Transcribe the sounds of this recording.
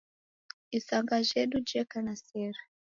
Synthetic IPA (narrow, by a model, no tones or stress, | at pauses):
isaŋɡaʒɛɗud͡ʒɛkanasɛɾa